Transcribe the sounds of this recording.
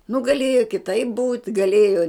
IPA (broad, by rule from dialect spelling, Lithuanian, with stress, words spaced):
nʊ ɡɐˈlʲeːjoː kʲɪˈtɐɪp buːtʲ ɡɐˈlʲeːjoː